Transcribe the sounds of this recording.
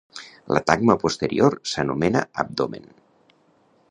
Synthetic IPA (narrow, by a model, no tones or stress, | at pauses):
lʔət̪aɡ̚məpust̪əɾioɾsənumenə̰əb̚d̪omḛn